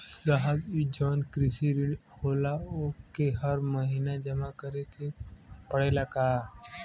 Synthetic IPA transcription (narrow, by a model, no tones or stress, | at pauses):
ɡaɦəbid͡ʒɔːnkɾɪsiɾiɖhoːlaokeɦəɾməɦinad͡ʒɐmakəɾekepəɽelakaː